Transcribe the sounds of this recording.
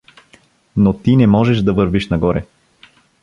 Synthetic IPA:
not̪inɛmɔʒɛʃd̪ɐvɤɾviʃnɐɡɔɾɛ

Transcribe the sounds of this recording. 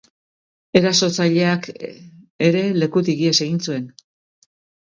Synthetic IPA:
e̞ɾaso̞t͡saʎe̞ak | e̞ɾe̞le̞kut̪iɣiese̞ɣint͡sue̞n

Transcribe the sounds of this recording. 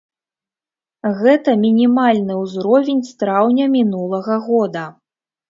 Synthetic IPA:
ɣɛt̪ɐmʲinʲimalʲnɨwzɾɔvʲenʲst̪ɾawnʲɐmʲinulˠɐɣɐɣɔd̪ɐ

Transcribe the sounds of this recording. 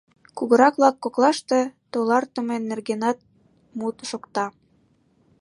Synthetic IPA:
kuɣɤ̆ɾɑkβlɑkːoklɑʃt̪et̪olɑrt̪ə̆menːerɣenɑt̪̚ | mut̪ʃokt̪ɑ

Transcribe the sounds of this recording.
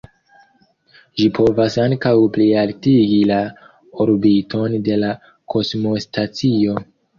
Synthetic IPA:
ʒipʰo̞vasaŋkawplialtiɡila | oɾbitʰo̞nde̞la | kʰo̞smo̞stat͡sio̞

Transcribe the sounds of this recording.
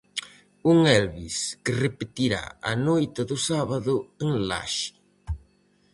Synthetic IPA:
uŋɛlβiskɪrepet̪iɾa̰ɐnojt̪aðʊsaβaðʊeŋla̰ʃɪ̥

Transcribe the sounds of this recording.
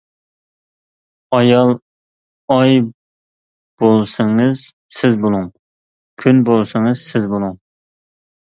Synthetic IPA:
ɑjɑlˠ | ɑj | b̥olˠsɨŋɨz̥ | sɪzbolˠuŋ | kʲʰynbolˠsɨŋɨzsɪzbolˠuŋ

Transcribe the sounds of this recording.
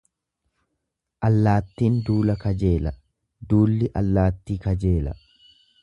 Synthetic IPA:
ʔɐlːaːt̪ːiːnd̪uːlɐkɐd͡ʒe̞ːlɐ | d̪uːlːɪʔɐlːaːt̪ːiːkɐd͡ʒe̞ːlɐ̰

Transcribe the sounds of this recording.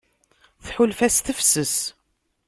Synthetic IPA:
θħulfæsθəfsəs

